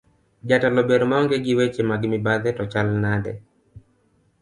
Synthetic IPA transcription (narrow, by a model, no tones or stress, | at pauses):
d͡ʒatalɔbeɾmaɔŋɡeɡɪwet͡ʃemaɡmɪbaðɛtɔt͡ʃalnadɛ̰